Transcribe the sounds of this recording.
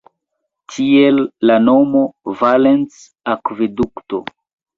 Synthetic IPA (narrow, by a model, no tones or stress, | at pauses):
tʰielːano̞movalens | akvedukto̰